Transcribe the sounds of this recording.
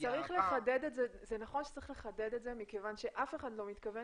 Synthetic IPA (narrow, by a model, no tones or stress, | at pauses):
t͡saʁiχle̞χaded̪etzezenaχo̞nʃe̥t͡saʁiχleχaded̪etzemikevanʃe̞ʔafe̞χadlo̞mit̪kave